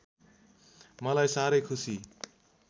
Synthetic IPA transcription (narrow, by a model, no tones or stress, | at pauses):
mʌlajsaɾʌjkʰusi